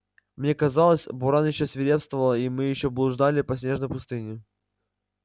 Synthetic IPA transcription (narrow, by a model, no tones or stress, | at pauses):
mnʲe̞kɐzalˠəsʲbʊɾanjɪɕːosʲvʲɪɾʲepst̪vəvəlˠəimɨjɪɕːoblˠʊʐd̪alʲɪpɐsʲnʲe̞ʐnəjpʊst̪ɨnʲɪ